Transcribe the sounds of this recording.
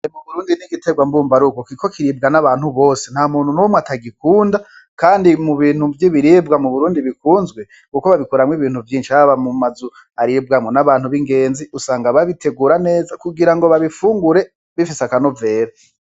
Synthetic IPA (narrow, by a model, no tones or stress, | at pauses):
muβuɾuːndiniɡiteɡwambuːmbaɾukokikʰo̞kʰiɾiːb̚ɡanaβaːn̥huβo̞ːsen̥haːmuːn̥unumwatʰaɡikuːnda | kaːndimuβiːn̥huvjiβiɾiːb̚ɡamuβuɾuːndiβikuːnzɡwe̞ | kukoβaβikuɾamwiβiːn̥huvjiːnʃiaβamumazu | aɾib̚ɡamŋonaβaːnhuβiŋɡe̞ːnziusaːŋɡaβaβitʰe̞ɡuːɾane̞ːzakuɡiɾaŋɡo̞βaβifuːŋɡuɾe̞ | βifisakano̞ve̞ːɾa